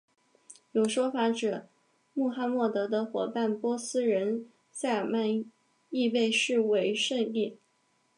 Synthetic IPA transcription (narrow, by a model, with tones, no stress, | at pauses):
jo˨˩ʊʂwɔ˥fa˧˥ʈ͡ʂɤ˨˩ | mu˥˩xa˥mwɔ˥˩t̪ɤ˧˥d̪ə˧xwɔ˨˩pa˥˩npwɔ˥sɹ̩˥ɻə˧˥n | sa˥˩ma˥˧n | i˥˧we˥˧ɪʂɻ̩˥˩we˧˥ɪʂə˥˧ŋi˥˩